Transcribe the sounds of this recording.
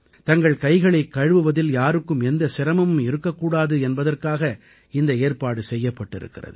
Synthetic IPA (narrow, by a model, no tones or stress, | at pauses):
t̪ɐŋɡɐɭkɐɪɣɐɭɐɪkːɐɻʋɯʋɐðɪljaːɾɯkːɯmɛnd̪ɐsɪɾɐmɐmɯmɪɾɯkːɐkːuːɽaːðɯɛnbɐðɐrkaːɣɐ | ɪnd̪ɐeːrpaːɽɯsɛjːɐpːɐʈːɪ̰ɾɯ̰kːɪrɐ̰ðɯ̰